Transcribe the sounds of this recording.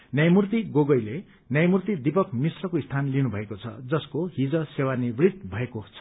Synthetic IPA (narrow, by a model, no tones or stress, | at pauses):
njʌjmurt̪iɡoɡʌjle | njʌjmurt̪id̪ipʌkmisrʌkoist̪ʰanlinubʱʌekot͡sʰʌ̰d͡zʌskoɦid͡zʌsewanibrit̪̚bʱʌekot͡sʰ